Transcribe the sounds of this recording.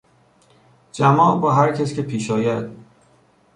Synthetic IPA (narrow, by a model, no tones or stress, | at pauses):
d͡ʒæmɒːʔbɒːɦæɾcʰæscʰepʰiːʃɒːjæd̪̥̚